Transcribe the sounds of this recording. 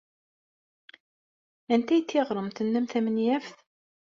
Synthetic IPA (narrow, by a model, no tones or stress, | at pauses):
ænt̪æjət̪ːɪʁɾˤəmt̪ənːæmθæmənjæfθ